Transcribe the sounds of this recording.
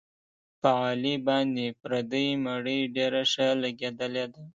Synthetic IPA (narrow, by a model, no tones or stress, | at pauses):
pəɑlibɑnd̪epɾad̪əjmaɽəjɖeɾaʂəlaɡed̪əled̪a